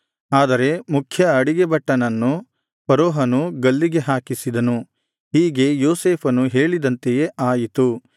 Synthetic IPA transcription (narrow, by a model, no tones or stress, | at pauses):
aːd̪ɐɾe̞mukʰjɐɐɽiɡebɐʈːɐnɐnːu | pɐɾoːɦɐnuɡɐlːiɡe̞ɦaːkisid̪ɐnu | ɦiːɡe̞joːseːpʰɐnuɦe̞ːɭid̪ɐnt̪eje̞ʔaːjit̪u